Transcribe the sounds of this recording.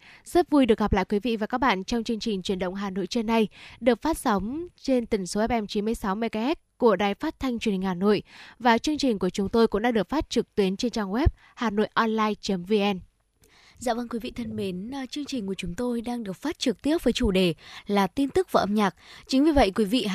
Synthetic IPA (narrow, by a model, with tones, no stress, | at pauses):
zə˦˥p̚vu˧jɗɨ˨˩əkɣa˨˩p̚la̰ː˧˨jkwi˨˦vḭ˧˨vaː˨˩kaː˦˥k̚ɓa̰ː˧˨nt͡ɕɔ˧wŋ͡mt͡ɕɨ˧əŋt͡ɕi˨˩ŋ̟t͡ɕwi˧˩ənɗə̰˧˨wŋ͡mɦaː˨˩no̰˧˨jt͡ɕe˧nːa˧jɗɨ˨˩ək̚faː˦˥t̚sa˨˦wŋ͡mt͡ɕe˧nt̪ï˧˩ŋ̟so˨˦ʔɛ˦˥p̚ʔɛ˧mt͡ɕi˨˦nmɨ˧əjsa˨˦wmɛ˧˩jka˧ɛ˦˥t̚ku˧˩əɗaː˨˩jfaː˦˥t̚t̪ʰa˧jŋ̟t͡ɕwni˨˩ŋhaː˨˩no̰˧˨jvaː˨˩t͡ɕɨ˧əŋt͡ɕï˨˩ŋ̟ku˧˩ət͡ɕʊ˨˦ŋ͡mt̪o˧jkʊ̰˧˥ŋ͡mɗa˧ɗɨ˨˩ək̚faː˦˥t̚t͡ɕɨ˨˩k̚t̪wi˨˦ənt͡ɕe˧nt͡ɕaː˧ŋwɛ˦˥p̚ | haː˨˩no̰˧˨jʔɔ˧nlaː˧jt͡ɕə˨˦mvi˧ʔɛ˧n | za̰ː˧˨wvə˧nkwi˨˦vḭ˧˨t̪ʰə˧nme˨˦n˨t͡ɕɨ˧əŋt͡ɕï˨˩ŋ̟ku˧˩ət͡ɕʊ˨˦ŋ͡mt̪o˧jɗaː˧ŋɗɨ˨˩ək̚faː˦˥t̚t͡ɕɨ˨˩k̚t̪i˦˥əp̚vəː˨˦jt͡ɕu˧˩ɗe˨˩laː˨˩t̪i˧nt̪ɨ˦˥k̚vaː˨˩ʔə˧mɲaː˨˩k̚t͡ɕï˨˦ŋ̟vi˨˩və̰˧˨jkwi˨˦vḭ˧˨